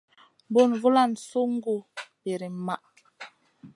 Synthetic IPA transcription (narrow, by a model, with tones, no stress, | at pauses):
bo˦˨nvu˦la˦˨n˨so˦ŋ̩˦ɡu˦˨be˨ɾi˨ma˦˨ʔ